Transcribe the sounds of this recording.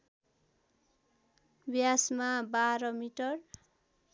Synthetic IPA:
bjasmabaɾʌmiʈʌr

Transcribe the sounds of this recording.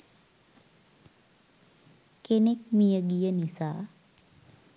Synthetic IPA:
kenekmijəɡijənisaː

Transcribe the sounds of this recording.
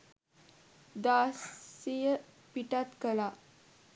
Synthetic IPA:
d̪asijə | piʈat̪kəla

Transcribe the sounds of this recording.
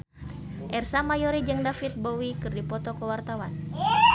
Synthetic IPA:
ʔɛrsamajɔɾid͡ʒəŋdafit̪̚bowikɨrdipɔt̪ɔkəwart̪awan

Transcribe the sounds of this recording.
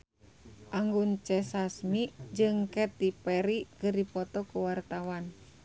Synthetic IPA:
ʔaŋɡunt͡ʃɛsasmid͡ʒɨŋkɛt̪ipɛɾikɨrdipɔt̪ɔkuwart̪awan

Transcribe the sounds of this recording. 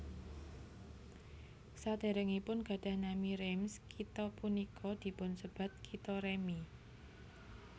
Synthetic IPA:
sad̪̥e̤ɾɛŋipʊnɡ̥a̤ɖ̥a̤hnamiɾɛmskit̪ɔpunikʰɔd̪̥i̤pʊnsəb̥a̤t̪̚kʰit̪ɔɾemi

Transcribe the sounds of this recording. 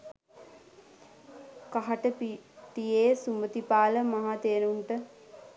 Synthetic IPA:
kaɦaʈəpit̪ijeːsumət̪ipaːləmaɦat̪eənuɳʈə

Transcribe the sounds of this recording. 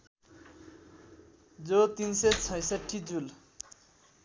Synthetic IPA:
d͡zot̪inset͡sʰʌjsʌʈʰːid͡zul

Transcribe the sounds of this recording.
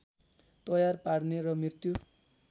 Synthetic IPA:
t̪ʌjarpaɽneɾʌmrirt̪ju

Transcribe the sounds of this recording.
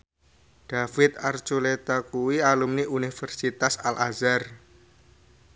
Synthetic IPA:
ɖ̥afɪt̪̚art͡ʃulet̪akuwialumniʔunifərsit̪asalʔazar

